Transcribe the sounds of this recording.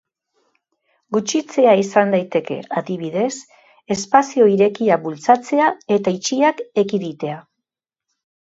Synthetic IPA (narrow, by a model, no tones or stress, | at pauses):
ɡut͡ʃit͡se̞aisand̪ajt̪e̞ke̞̰aðiβ̞iðe̞s | e̞spasio̞iɾe̞kiabult͡sat͡se̞ae̞t̪ait͡ʃiake̞kiðit̪e̞a